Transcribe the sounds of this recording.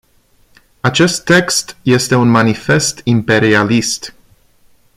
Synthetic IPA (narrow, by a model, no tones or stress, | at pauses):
at͡ʃe̞st̪ːe̞kst̪je̞st̪e̞unmanife̞st̪impe̞ɾialist̪